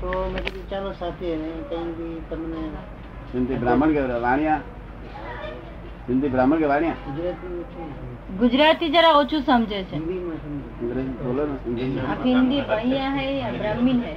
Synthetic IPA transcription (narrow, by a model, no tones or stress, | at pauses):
t̪omeɾiɾit͡ʃalosat̪ʰiɦenek̪əĩbit̪əmne | sɪnd̪ibɾaːməɳkeɾʋaːɽ̃jãː | sɪnd̪ibɾaːməɳkeʋaːɽ̃jãːɡud͡ʒɾaːt̪iot͡ʃʰu | ɡʊd͡ʒɾaːt̪id͡ʒaɾaot͡ʃʰũsəmd͡ʒʱət͡ʃʰend̪imãɦind̪ind̪ɾebolənsɪnd̪iaɦɪnd̪ibʱaɽ̃ijaɦɛjabɾaːmːinɦɛ